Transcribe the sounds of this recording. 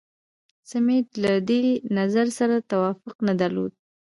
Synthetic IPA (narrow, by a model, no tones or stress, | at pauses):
samet̪lad̪enazaɾsaɾat̪awɑfʊqnad̪aɾlo̰d̪̚